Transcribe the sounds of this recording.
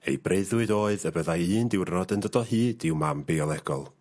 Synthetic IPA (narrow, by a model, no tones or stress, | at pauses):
ḛjbreɨðwɨdoːɨðəbəðajɨːndɪwrnɔdəndɔdɔhɨːdɪwmambeɔlˠɛɡɔlˠ